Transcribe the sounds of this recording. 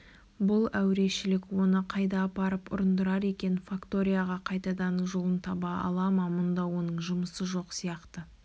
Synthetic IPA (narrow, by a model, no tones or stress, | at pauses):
bʊlˠæwɾe̞ʃɪlɪkwo̞nəqʰɑjd̪ɑːpɑɾəpʊ̰ɾənd̪əɾɑɾe̞kʲe̞nfakt̪o̞ɾʲijaʁɑqʰɑjt̪ɑd̪ɑnʒo̞lˠənt̪ʰɑbɑɑ̰lˠɑmɑmʊnd̪ɑwo̞nəɴʒʊməsəʒo̞qsijɑqt̪ə